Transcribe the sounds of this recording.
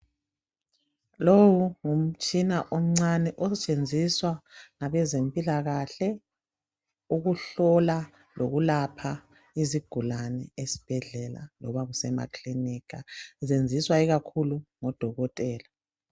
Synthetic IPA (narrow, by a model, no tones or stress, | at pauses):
lowuŋum̩t͡ʃʼinaʔɔm̩ŋ͡ǀanɛʔɔsɛt͡ʃʼend͡zʱiswaŋaβɛzempʼilaɣaɬɛ | uɣuɬɔla | loɣulapʰa | iziɡ̥ʱulanɛesi̥b̥ʱɛɮɛla̰lɔ̰βaɣusɛma̰kʰʼlinikʰazend͡zʱiswaiɣakʰuluŋɔd̥ʱɔɣɔtʼɛːla